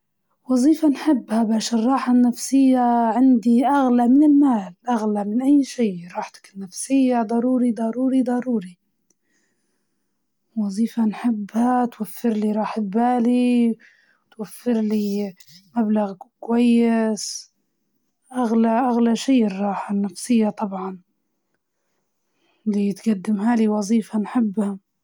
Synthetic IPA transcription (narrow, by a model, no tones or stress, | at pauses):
wɑzˤiːfanħɪbːhabaːʃɪrˤːɑːħanːafsɪjːaʕɪnd̪iʔaɣlamɪnɪlmaːlʔaɣlamɪnʔajːʃiːɾˤɑːħt̪ḁkɪnːafsɪjːad̪ˤɑɾˤuːɾid̪ˤɑɾuːɾid̪ˤɑɾˤuːɾi | wɑzˤiːfanħɪbːhat̪wafːɪɾliɾˤɑːħbaːli | wt̪wafːɪɾliː | mablaɣkwajːɪs | ʔaɣlaʔaɣlaʃiːʔrˤːɑːħanːafsɪjːat̪ˤɑbʕɑn | lit̪ɡad̪ːɪmɦaːliwɑzˤiːfanħɪbːha